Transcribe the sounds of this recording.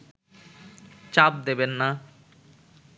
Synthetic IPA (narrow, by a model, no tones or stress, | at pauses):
t͡ɕap̚d̪ebenːa